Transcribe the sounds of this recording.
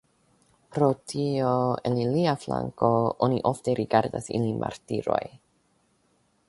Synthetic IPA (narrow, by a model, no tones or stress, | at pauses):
pɾo̞tʰioeliliafla̰ŋko̞ʔoniʔo̞fteɾʔiɡaɾdasḭlimʔa̰ɾtiɾo̞j